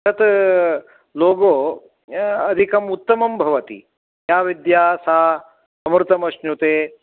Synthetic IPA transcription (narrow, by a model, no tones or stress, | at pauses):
ɐt̪ | loːɡoː | ɐd̪ʱikɐmut̪ːɐmɐmbʱɐʋɐt̪ḭ | jaːʋid̪jaːsaː | ɐmɾɨt̪ɐmɐʃnut̪eː